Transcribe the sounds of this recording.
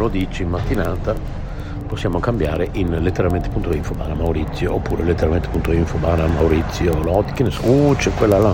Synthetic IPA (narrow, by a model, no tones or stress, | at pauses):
lod̪iːt͡ʃiimmat̪ːinaːt̪a | posːjaːmokambjaːɾeʔinlet̪ːeɾalment̪e̥punt̪oiɱfoba̰ːnamauɾit̪sːjoʔopːuːɾelet̪ːeɾalment̪epunt̪oiɱfobanamawɾit̪sːjolɔd̪ikenːesɔut͡ʃɛkwelːala